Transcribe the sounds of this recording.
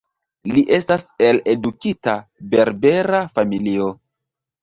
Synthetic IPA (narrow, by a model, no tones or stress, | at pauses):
liʔe̞stase̞le̞dukitabe̞ɾbe̞ɾafamilio̞